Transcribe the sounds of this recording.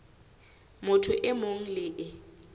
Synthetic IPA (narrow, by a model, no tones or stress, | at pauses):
mʊtʰʊʔɪmoŋ̩lɪːʔɪ